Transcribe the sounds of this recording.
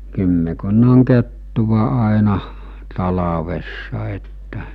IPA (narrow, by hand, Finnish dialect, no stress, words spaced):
kymːekunːɑŋ ketːuʋɑ ɑˑenɑh tɑlɑʋesːɑ etːæ